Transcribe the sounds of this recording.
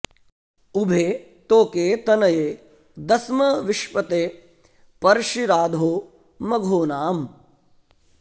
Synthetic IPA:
ubʱeː | t̪oːkeːt̪ɐnɐjeː | d̪ɐsmɐʋiʃʋɐt̪eː | pɐɾʃiɾaːd̪ʱoː | mɐɡʱoːnaːm

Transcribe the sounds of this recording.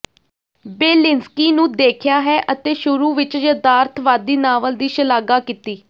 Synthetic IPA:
beːlɪnskiːnũːd̪eːkʰjaːɦɛːʔət̪eːʃʊɾuːʋɪt͡ʃjəd̪aːɾt̪ʰʋaːd̪iːnaːʋəld̪iːʃəlaːɡaːkit̪iː

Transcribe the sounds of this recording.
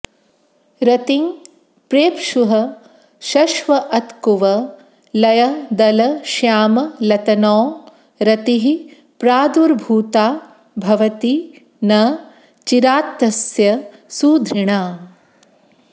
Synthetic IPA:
ɾɐt̪iŋ | pɾeːpʃuɦɐ | ʃɐʃʋɐʔɐt̪kuʋɐ | lɐjɐd̪ɐlɐʃjaːmɐlɐt̪ɐnɔː | ɾɐt̪iɦi | pɾaːd̪uɾbʱuːt̪aː | bʱɐʋɐt̪i | nɐ | t͡ʃiɾaːt̪ːɐsjɐsuːd̪ʱɾiɳaː

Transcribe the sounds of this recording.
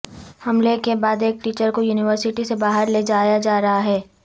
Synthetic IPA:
hɐmlekebaːd̪eːk̚ʈiːt͡ʃəɾkojuːnɪʋəɾsɪʈisebaːɦəɾleːd͡ʒaːjad͡ʒaːɾɐɦaɦɛː

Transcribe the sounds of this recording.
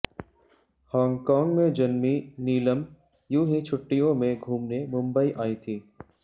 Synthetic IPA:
hɔ̃ːŋɡkɔːŋɡmẽd͡ʒɐnminiːləm | jũːɦĩt͡ʃʰʊʈːijõmẽɡʱuːmnemʊ̃mbəiʔaːit̪ʰiː

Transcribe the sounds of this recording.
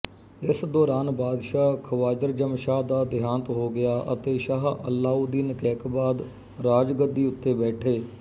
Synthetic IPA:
ɪsd̪ɔːɾaːnbaːd̪ʃaːkʰəʋaːd͡ʒəɾd͡ʒəmʃaːɦd̪aːd̪ɪjaːnət̪ɦoːɡɪjaːʔə̰t̪eːʃaːɦə̰lːaːud̪iːnkɛːkbaːd̪ | ɾaːd͡ʒɡəd̪ːiːʊt̪ːeːbɛːʈʰeː

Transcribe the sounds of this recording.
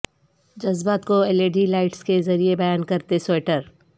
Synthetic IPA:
d͡ʒɐzbaːt̪koeleːɖilaːɪʈskezɐɾiebɐjaːnkɐɾt̪esoːʈəɾ

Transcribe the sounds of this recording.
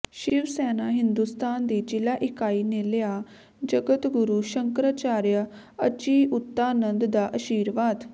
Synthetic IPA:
ʃɪʋsɛːnaːɦɪnd̪uːst̪aːnd̪iːd͡ʒɪlaːʔɪkaːiːneːleaː | d͡ʒəɡət̪ɡʊɾuːʃəŋkɾaːt͡ʃaːɾja | ət͡ʃiːʔʊt̪ːaːnənd̪d̪aːʔəʃiːɾʋaːd̪

